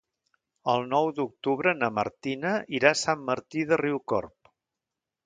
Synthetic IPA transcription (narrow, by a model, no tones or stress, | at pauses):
əlˠnɔwd̪uk̚t̪uβ̞ɾənəmə̰ɾt̪inəiɾasamːəɾt̪iðəriwkɔ̰rp